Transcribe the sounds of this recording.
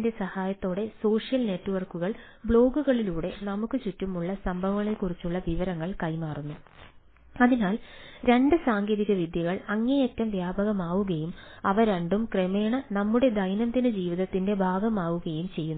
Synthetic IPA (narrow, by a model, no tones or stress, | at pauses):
nde̞sɐhaːjɐt̪ːo̞ːɽe̞so̞ːʂijɐlne̞ʈːuʋɐrkuɣɐɭbɭo̞ːɡuɣɐɭiluːɽe̞nɐmukːɨt͡ɕutːumuɭːɐsɐmbʱɐʋɐŋːɐɭekurit͡ɕːuɭːɐʋiʋɐɾɐŋːɐɭkɐjmaːrunːu | ɐðinaːlɾe̞ɳɖɨsaːŋɡeːðiɣɐʋid̪ʱjɐɣɐɭɐŋːejɐtːɐmʋjaːbɐɣɐmaːʋuɣɐjumɐʋɐɾɐɳɖumkremeːɳɐnɐmːuɽe̞d̪ɐjnɐmd̪inɨd͡ʑiːʋiðɐt̪ːinde̞bʱaːɡɐmaːʋuɣɐjumt͡ɕe̞jːunː